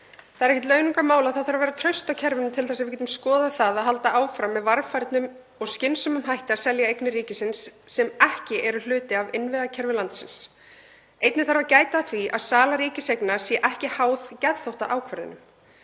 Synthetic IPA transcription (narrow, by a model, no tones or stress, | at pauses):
θaðɾɛhcɛt̪lœɥnuŋkamaːwlaðθaðθaɾvɛːɾat̪ʰɾœɥst̪awcʰɛɾvɪnɪt̪ʰɪlθɛs̬avɪɾcɛt̪ʏmskɔːðaθaðaðɦalt̪aʔaːwfɾamːɛðvaɾfajɾt̪nʏm | ɔɣscɪnsʏmʏmɦajht̪ɪasɛljaejknɪɾiːcɪsɪnsːɛmɛhcɪʔɛɾʏl̥ʏːt̪ɪavɪnvɪðacʰɛɾvɪlant̪sɪns | ejt̪nɪθaɾvacaːjt̪aθɾiʔaðsaːlaɾiːcɪsejknasjɛʔɛhcɪhaːwðcɛðθowht̪aʔaːwkʰvɛɾðɪ̰nʏm